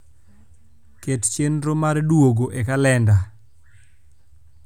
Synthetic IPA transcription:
kett͡ʃenɾomardwoɡoʔekalɛnda

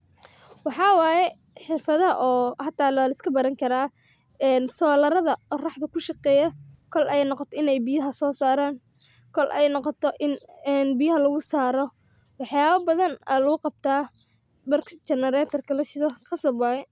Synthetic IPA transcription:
wɑħɑːwaːjɛ | ħɪrfɐðɐɦɐʔɔːhɑt̪ʰːaːlɔːlɐɪskʰɐbɐɾɐŋkʰɐɾaː | ɛːnsɔːlɐɾɐðɐɔːrɑħðɐkʰʊʃɑqɛːjɐkʰɔlʔɛjnɔqɔt̪ʰɔɪnɛjbɪjɐɦɐsɔːsaːɾaːn | kʰɔlʔɛjnɔqɔt̪ʰɔʔɪnːnbɪjɐɦɐlɐɣʊsaːɾɔ | wɑħjaːβɐbɐðɐnɛ̰lɐɣʊqɑb̚t̪ʰaː | bɐrkʰt͡ʃɛnɐɾaːt̪ʰɐrkʰɐlɐʃɪðɐqɑsɐbwaːjɛ

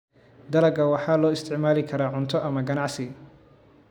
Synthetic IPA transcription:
d̪ɐlɐɡɐwɑħɑːlɔːɪst̪ʰɪʕmaːlɪkʰɐɾaːʕʊnt̪ʰɔʔɐmɐɡɐnɑʕsɪ

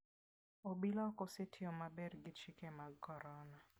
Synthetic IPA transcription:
obilɔkɔsetʰɪɔmabɛrɡɪt͡ʃikɛmakɔɾɔna

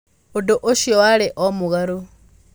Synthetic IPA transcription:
odoʔoʃiwaleʔomuɣaɾo

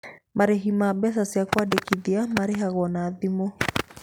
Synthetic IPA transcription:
maɾeɦimabɛs̬asiakwadekiðiamaɾeɦaɣɔnaːðimɔ

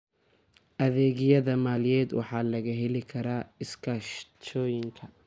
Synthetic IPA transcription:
ʔɐðɛːɣɪjɐðɐmaːljɛːd̪wɑ̰ħɑːlɐɣɐɦɛlɪkʰɐɾaːɪskʰaːʃt͡ʃʰɔːjɪŋkʰɐ

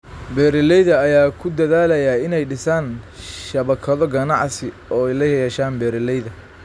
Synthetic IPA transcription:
bɛːɾɪlɛjðɐɐjaːkʰʊd̪ɐðaːlɐjaɪnɛjɖɪsaːnʃɐβɐkʰɐðɔɡɐnɑ̰ʕsɪ | ɔːɛjlɐjɐjɛːʃaːnbɛːɾɪlɛjðɐ

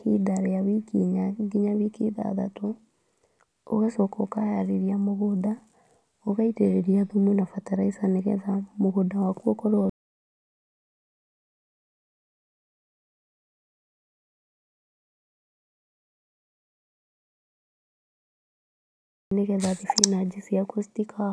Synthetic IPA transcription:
kḭdaɾeaβikiɲaɡiɲaβikḭða̰ða̰to | o̰ɣasɔkɔkajaɾeɾiamoɣoda | oɣaiteɾeɾiaðumwenafataɾaisaneɣɛ̰ðamoɣodawakwɔkɔɾɔ | neɣɛðaðifinad͡ʒisjakustikʰa

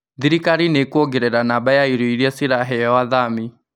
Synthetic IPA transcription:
ðiɾikaɾinekuoɡeɾɛɾanabajaiɾoiɾiɛsiɾaɦɛɔwaðami

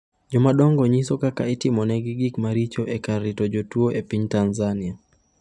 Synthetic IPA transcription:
d͡ʒɔmaɗɔŋɡɔɲisɔkakaɛtimɔnɛɡɪɡikmaɾit͡ʃɔʔekarːitɔd͡ʒotuoʔepiɲtanzania

